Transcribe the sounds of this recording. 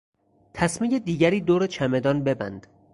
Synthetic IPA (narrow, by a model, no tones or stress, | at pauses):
t̪ʰæsmijed̪iːɟæɾiːd̪oːɾet͡ʃʰæme̞d̪ɒːnbe̞bæ̰nd̪̥